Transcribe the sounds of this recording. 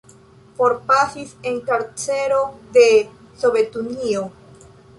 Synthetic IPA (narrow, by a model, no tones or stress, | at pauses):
fo̞ɾpasise̞ŋkaɾt͡se̞ɾo̞de̞ | so̞be̞tunio